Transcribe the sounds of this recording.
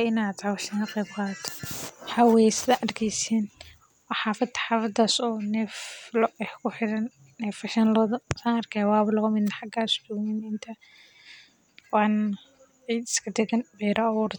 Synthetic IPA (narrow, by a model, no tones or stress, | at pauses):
ɪnaːd̪ʕɑwɐʃɐŋkʰɐqɛjbqɑːt̪ʰɔ̥wɑħaːwɛːjɛsɪðaʔɐrkʰɛjsiːn | wɑħɑːfɐd̪ħɑːfɐd̪aːsɔːnɛːflɔɛhkʰʊħɪɾɐnː | ɛːfɐʃɐnlɔːðɐsanɐrkʰɐjwɑːβɐlɐɣɔmɪnħɑɡaːsbunɪnɪnt̪ʰɐ | wɑːn | ʕiːd̪ɪ̥skʰɐd̪ɛɡɐnbɛːɾɐːwɔːɾt̪ʰ